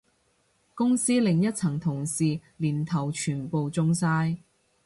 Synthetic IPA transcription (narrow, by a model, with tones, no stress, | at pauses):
kʊ˥ŋsiː˥lɪ˨ŋjɐ˥t̚t͡sʰɐ˨˩ŋt̪ʰʊ˨˩ŋsiː˨liː˨˩nt̪ʰɐ˨˩wt͡ʃʰyː˨˩npo˨˧wt͡sʊ˥ŋsaː˥j